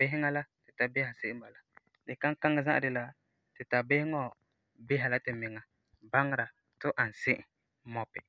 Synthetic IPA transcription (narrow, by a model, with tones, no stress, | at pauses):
be˦ɦɪ˦ŋa˦la˦tɪ˨ta˨bɪ˦ha˨sɪ˦ɪ˦ba˨la˨˦ | lɪ˨ka˦ŋ˦ka˦ŋɪ˦za˦ʔa̰˨dɪ˨la˦ | tɪ˨ta˨bɪ˦hɪ˦ŋɔ˦˨ | bɪ˦ɦa˨la˦tɪ˨mɪ˨ŋa˨ | ba˦ŋ˦ɾa˨ | tʊ˦ʔa˨n̩˨sɪ˦ʔɪ˨ | mɔ˨pɪ˨